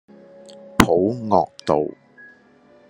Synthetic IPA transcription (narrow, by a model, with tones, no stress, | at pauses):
pʰo˨˥wŋɔː˨k̚t̪o˨w